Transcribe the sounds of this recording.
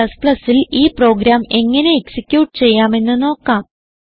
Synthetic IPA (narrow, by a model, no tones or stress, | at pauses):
ɐsplɐsːiliːpro̞ːɡɾaːme̞ŋːɐne̞ːksikʲjuːʈːɨ̥t͡ɕe̞jːaːme̞nːɨno̞ːkːaːm